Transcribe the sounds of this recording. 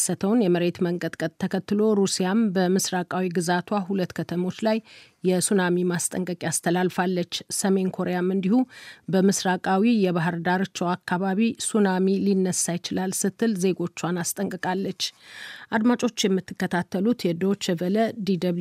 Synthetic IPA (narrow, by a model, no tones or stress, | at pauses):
sət̪ʰəwnjɛməɾe̞t̪məŋɡəd̪kʼət̪̚ʰːəkʰət̪ːɨlo̞ɾusijambəmɨsɾakʼawiɡɨzat̪ʰwaɦulət̪ːkʰət̪ʰəmo̞t͡ʃːlajː | ɛsunamimast̪ʼəŋkʼəkʼiast̪ʰəlalfalːət͡ʃːsəme̞nkʰo̞ɾejamɨnd̪ihubəmɨsɾakʼawijɛβaɦɨɾd̪aɾt͡ʃːɛwakːaβaβisunamilinːəsːajɪt͡ʃɪlalsɨt̪ʰːɨlze̞ɡo̞t͡ʃːwanast̪ʼəŋkʼɨkʼalːət͡ʃːʔad̪mat͡ʃʼo̞t͡ʃːjɛmːɨt̪ːɨkːət̪ʰat̪ːəlut̪jɛd̪ot͡ʃɛvələd̪id̪əβ